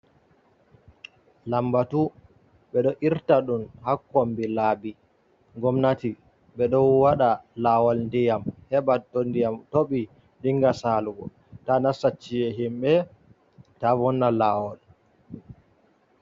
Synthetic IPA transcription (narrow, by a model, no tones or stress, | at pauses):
lambatu | ɓɛɗɔʔiɾtaɗunhakːɔmbilaːbi | ŋɡɔmnati | ɓɛɗɔwwaɗalawɔlndijamhɛbatːɔndijamtoɓi | diŋɡasaluɡɔ̰ | tanasat͡ʃːijɛɦimɓɛ | tavɔnːalawɔl